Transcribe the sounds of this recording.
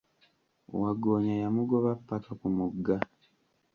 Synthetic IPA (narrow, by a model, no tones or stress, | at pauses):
waɡoːɲajamuɡoβapːakakumuɡːa